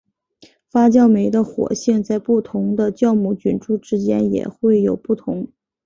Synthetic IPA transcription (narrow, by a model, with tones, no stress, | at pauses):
fa˥t͡ɕjɑ˥˩ʊme˧˥ɪd̪ə˧xwɔ̰˨˩ɕjɛ˥˧ŋt͡sa˥˧ɪpu˥˩t̪ʰʊ˧˥ŋd̪ə˧t͡ɕjɑ˥˧ʊmu˥˩t͡ɕy˨˩nʈ͡ʂu˥˩ʈ͡ʂɻ̩˥t͡ɕjɛ˥njɛ̰˨˩xwe˥˩ɪjo˨˩ʊpu˥˩t̪ʰʊ˧˥ŋ